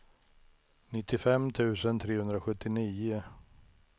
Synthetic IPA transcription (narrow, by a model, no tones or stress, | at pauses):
nɪt̪ːɪfɛmːt̪ʰʉ̟ːsənt̪ʰɾeːhɵnd̪ɾaɧɵt̪ːɪniːʊ